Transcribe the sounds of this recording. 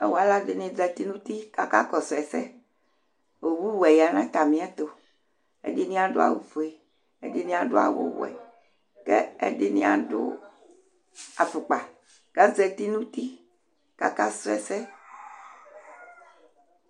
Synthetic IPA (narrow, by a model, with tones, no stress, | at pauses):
e˦wo˨a˨˦la˦de˨nẽ˨d͡zɛ˨t̪i˦nũ˦t̪i˦ka˦ka˦kɔ˨sɛ˨sɛ̰˦ | wo˨wu˦wɛ˨ja˨nã˦t̪a˨mĩ˦ã˦t̪o˨ | ḛ˦de˦nĩ˦ã˨ɖo˦a̰˨wu˨fo˨e˨ | e˦de˦nĩ˦˨ã˨ɖo˦a̰˨wo̰˦wo̰˨ɛ̰˨ | kɛ˦ḛ˦de˦nḭ̃˦a̰˨ɖo̰˦ | a˨fu˨k͡pa˨ | ɡ̥ã˦d͡zɛ˨t̪i˦nũ˦t̪i˦ | ka˨ka˦so˦ɛ̰˨sɛ˦